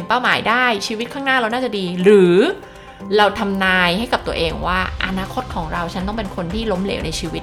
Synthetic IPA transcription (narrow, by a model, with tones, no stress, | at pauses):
npa˥˩wmaː˩˦jdaː˥˩jt͡ɕʰiː˧wi˦˥t̪̚kʰaː˥˩ŋnaː˥˩ɾa˧wnaː˥˩t͡ɕa˨˩diː˧ɾɯː˩˦ | ɾa˧wt̪ʰa˧mnaː˧jha˥˩jka˨˩t̪u˧ɐəʔeː˧ŋwaː˥˩ʔa̰˧naː˦˥kʰo˦˥t̪̚kʰɔː˩˦ŋɾa˧wt͡ɕʰa˦˥nt̪ɔ˥˩ŋpe˧nkʰo˧nt̪ʰiː˥˩lo˦˥mlḛː˩˦wna˧jt͡ɕʰiː˧wi˦˥t̪̚